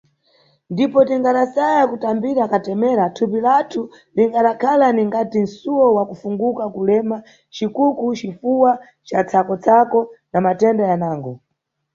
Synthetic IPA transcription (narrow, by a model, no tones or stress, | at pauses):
ndipɔtiŋɡaɗasajakutambiɾakatɛmɛɾatʰupilatʰu | liŋɡaɗakʰalaniŋɡatin̩suwɔwakufuŋɡukakulɛma | t͡ʃikukut͡ʃifuwa | t͡ʃat͡sʰakɔt͡sʰakɔnamatɛndajanaːŋɡɔ